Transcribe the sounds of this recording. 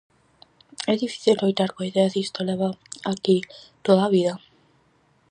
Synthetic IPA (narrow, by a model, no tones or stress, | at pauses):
eðifi̥θiɾojt̪aɾkoiðeaðist̪oleβaakit̪oðaβiða